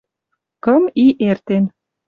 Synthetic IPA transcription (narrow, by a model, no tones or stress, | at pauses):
kəmiʔert̪en